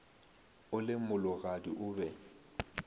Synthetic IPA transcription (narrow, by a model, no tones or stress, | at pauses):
ʊlɪmʊlʊɣadiʔʊːbɛ